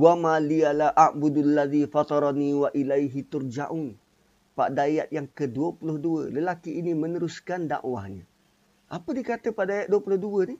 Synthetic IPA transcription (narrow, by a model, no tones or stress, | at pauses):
wamãlialaʔaʔbudalːaðifɑt̪ˤɑɾˤniwaʔilajɦit̪urd͡ʒa̰ʔun | paʔdajat̪̚jaŋkəduəpulʊhduələlakiːnimənəɾuskanda̰ʔwa̰hɲã̰ | ʔapədikat̪əpaʔdajat̪̚duəpulʊhduəni